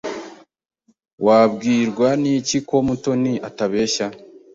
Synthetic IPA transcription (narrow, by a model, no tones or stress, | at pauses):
waːbɡiːɾɡwaniciko̞muto̞niataβe̞ːʃa